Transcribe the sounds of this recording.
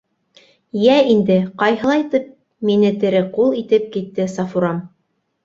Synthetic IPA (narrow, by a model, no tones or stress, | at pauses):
jæind̪ɘqɑjɦɤ̆lˠɑjt̪ɤp̚ | minɘt̪ɘ̆ɾɘqulˠit̪ɘp̚kit̪ːɘsɑfuɾɑm